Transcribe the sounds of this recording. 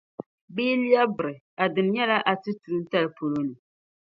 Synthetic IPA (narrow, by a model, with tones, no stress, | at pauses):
biː˦li˦a˦bɨ˨ɾɨ˨ | a˨dɨ˨n˦ɲɛ˦la˦ʔa˨tɨ˦tu˨ɾɨ˦n˦ta˦lɨ˨po˨lo˦nɨ˨